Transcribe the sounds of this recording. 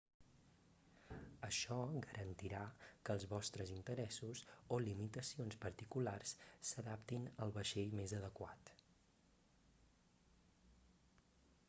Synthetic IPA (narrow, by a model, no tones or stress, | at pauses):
əʃɔɣəɾʔənt̪iɾakəːlˠzβɔst̪ɾəzint̪əɾɛsusolimit̪əsionspəɾt̪ikularsːəðapt̪inəlˠβəʃeʎmezəðəkwa̰t̪